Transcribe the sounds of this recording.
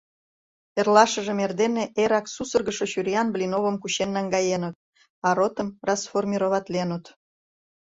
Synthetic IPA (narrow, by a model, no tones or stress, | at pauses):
erlɑʃə̆ʒemerd̪eneʔeɾɑksusərɣəʃoɕyɾʲijɑnblʲinoβə̆mkuɕenːɑŋɡɑjenət̪̚ | ɑɾot̪əmrɑsformʲiɾoβɑt̪lenət̪